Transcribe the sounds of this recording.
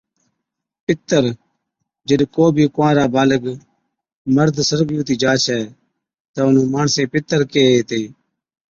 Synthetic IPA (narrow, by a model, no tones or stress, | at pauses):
pɪt̪ːəɾ | d͡ʒəɗkoːbʱiːkʊʋãːɾaːbaːləɡ | məɾd̪ʱsəɾɡjũːt̪iːd͡ʒaːt͡ʃʰɛː | t̪aːʊnũːmaːɳsẽːpɪt̪ːəɾkeːeːt̪eː